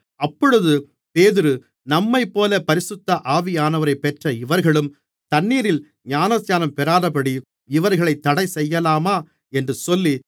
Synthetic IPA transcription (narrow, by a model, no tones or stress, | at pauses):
ɐpːɔɻɯðɯ | peːðɪɾɯ | nɐmːɐɪpːoːlɐpɐɾɪsɯt̪ːɐʔaːʋɪjaːnɐʋɐɾɐɪpːɛʈrɐɪʋɐɾɣɐɭɯm | t̪ɐɳːiːɾɪl | ɲaːnɐsɲaːnɐmpɛɾaːðɐpɐɽi | ɪʋɐɾɣɐɭɐɪt̪ːɐɽɐɪsɛjːɐlaːmaː | ɛndrɯsɔlːi